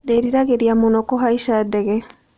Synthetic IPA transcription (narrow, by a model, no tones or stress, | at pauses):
deɾiɾaɣeɾiamonɔkɔɦaiʃadɛɣɛ